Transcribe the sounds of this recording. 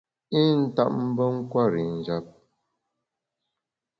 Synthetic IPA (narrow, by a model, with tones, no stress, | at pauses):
i˦n̩˦ta̰˦ʔ̚m̩˦bə˦ŋ̩˦kwa˦˨ɾi˨n̩˨d͡ʒa˦p̚